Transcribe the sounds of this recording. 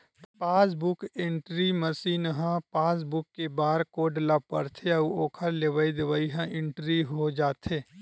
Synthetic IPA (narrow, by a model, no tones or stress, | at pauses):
t̪paːs̬bʊkɪ̃ɳʈɾiməsiːnɦãpaːs̬bʊkːebaːɾkoːɖlapə̰ɾt̪ʰeɐuoːkʰəɾleʋaid̪eʋaiɦãʔɪ̃ɳʈɾiɦod͡ʒaːt̪ʰeː